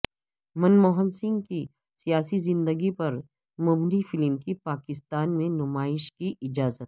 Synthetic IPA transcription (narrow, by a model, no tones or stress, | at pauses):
mɐnmoːɦənsɪ̃ŋɡki | sijaːsizɪ̃nd̪əɡipɐɾ | mʊbnifɪlmkipaːkɪst̪aːnmẽnʊmaːɪʃkiʔɪd͡ʒaːzət̪̚